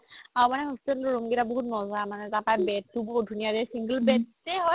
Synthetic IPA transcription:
aɹumanɛɦɔstelɹoŋɡetaboɦut̚nɔzamanɛtapajbɛtːuboɦut̚dʱunijadɛsiŋɡəlbɛt̚ː | ɛɦɔj

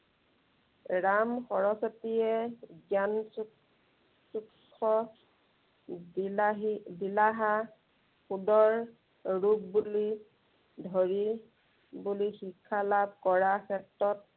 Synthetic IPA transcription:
ɹamxɔɹɔsɔtijɛɡjansu | sukʰːɔ | ɦdilaɦa | xudɔɹ | ɹub̚buli | dʱoɹi | bulixikʰːalab̚kɔɹaxɛk̚tɔt̚

